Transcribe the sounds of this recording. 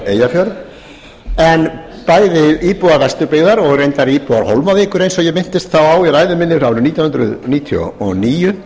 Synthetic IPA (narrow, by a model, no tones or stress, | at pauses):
eːjafjœɾ | ɛn | paːjðɪiːpuaɾvɛst̪ʏɾpɪɣðaɾɔɣrejnt̪aɾiːpuaɾ̥howlmavɪːkʏɾejnsɔjɛɣmɪn̥t̪ɪst̪θawaːwiɾaːjðʏmɪnːɪɾaːvɾʏnit̪jɔnhnd̪ɾʏðniːt̪ʰjɔ̰ɔniːjʏ